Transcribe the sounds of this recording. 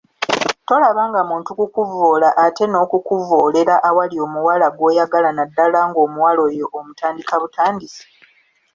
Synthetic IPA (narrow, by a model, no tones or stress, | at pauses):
to̞laβaːŋɡamuːntukukuvo̞ːlaʔate̞no̞ːkukuvoːle̞ɾaʔawalio̞ːmuwalaɡwe̞ːjaɡalanadːalaŋɡo̞ːmuwalo̞ːjo̞ʔːmutʰaːndikaβutʰaːndisi̥